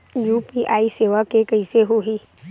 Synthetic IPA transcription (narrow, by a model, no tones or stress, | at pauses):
juːpiʔaːiseːʋakekɐɪseɦoɦiː